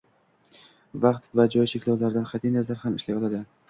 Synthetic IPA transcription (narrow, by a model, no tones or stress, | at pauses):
vɑqt̪vad͡ʒɒjʃekʲlawlaɾd̪anqʰɑt̪innazaɾhamɪʃlajɒlˠad̪ɪ